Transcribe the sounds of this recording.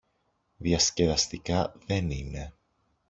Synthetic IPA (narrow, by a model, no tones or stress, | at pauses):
ðiɐsce̞vɐst̪ikɐðe̞nine̞